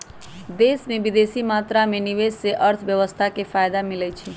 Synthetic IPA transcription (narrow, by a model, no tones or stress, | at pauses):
d̪esmẽbid̪esimat̪ɾamẽniʋesseʔəɾt̪ʰʋjəʋəst̪ʰakepʰajd̪amilɛt͡ʃʰi